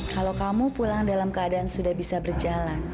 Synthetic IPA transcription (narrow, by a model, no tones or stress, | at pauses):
kalowkamupulaŋdalamkəadaːnsudahbisabərd͡ʒalan